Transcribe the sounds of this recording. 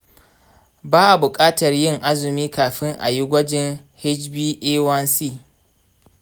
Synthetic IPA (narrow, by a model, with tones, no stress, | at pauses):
baː˦ʔa˨bʊ˨kʼaː˦tɐ˨rjɪ˦ŋʔa˦zɪ˨miː˦kaː˨ɸɪ˦ŋʔa̰˨ji˦ɡʷɐ˦d͡ʒɪ˦ŋ | hɪ˦d͡ʒbiː˦ʔeː˦wɐ˦nsiː˦